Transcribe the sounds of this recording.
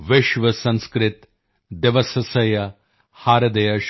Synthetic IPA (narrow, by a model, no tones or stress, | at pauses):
ʋɪʃʋɐsɐ̃nskɾɪt̪ | d̪eʋɐsɐsɐjɐ | haːɾɐd̪ɐjɐʃ